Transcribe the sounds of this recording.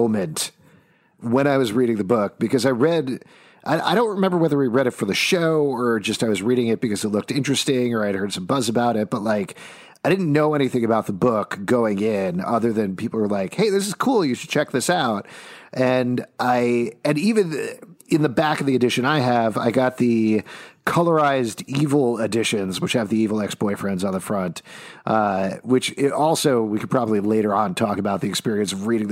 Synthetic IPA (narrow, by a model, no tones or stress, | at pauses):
ʊ̃mɨ̃nt | wə̃ɾ̃aɪwʌzɹiɾɪ̃ŋðɨbʊk̚b̥ɨkʌzaɪɹɛd | ʔaɪa̰ɪɾõʊ̃nt̚ɹɨmɛ̃mbə˞wɛðə˞wiɹɛɾɨtfə˞ðɨʃoʊə˞d͡ʒʌstaɪwʌzɹiɾɪ̃ŋɨt̚b̥ɨkʌzɨtˡlʊk̚tɪ̃nt͡ʃɹ̥ɨstɪ̃ŋə˞aɪɨd̚hɜ˞d̥sʌ̃mbʌzɨbaʊɾɨt̚b̥ʌt̚ˡlaɪk | aɪɾɪdⁿn̩noʊɛñiθɪ̃ŋɨbaʊt̪̚ðəbʊkɡ̥oʊɪ̃ŋɪ̃nʌðə˞ðɨ̃npʰipl̩ˠwə˞laɪkheɪðɪs̬ɨz̥kʰulˠjɨʃɨd̥̚t͡ʃʰɛk̚ðɪsaʊt̚ʔɨ̃nʔaɪɨ̃nivɨ̃nɨ̃nðɨbækʌvðiɨdɪʃɨ̃naɪɨva̰ɪɡɑt̪̚ðikʰʌlˠə˞aɪzdivl̩ˠɨdɪʃɨ̃nzwɨt͡ʃɨvðiivl̩ˠɛksb̥ɔɪfɹɛ̃ndzn̩ðəfɹʌ̃ntʔʌwɨt͡ʃɪɾʔɔlˠsoʊwikʰɨd̚pʰɹ̥ɑbəblileɪɾə˞ə̃ntʰɔkəbaʊt̪̚ðiɨkspɪɹiɨ̃nsʌvɹiɾɪ̃ŋ